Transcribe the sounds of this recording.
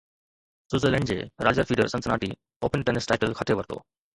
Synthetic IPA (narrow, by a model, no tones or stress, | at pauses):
suzelẽːɳɖd͡ʑḛɾaːd͡ʑəɾfʰiːɖəɾsə̃nt͡snaːʈḭ | oːpənʈenəsʈaɪʈəlkʰəʈʰeʋəɾt̪o̰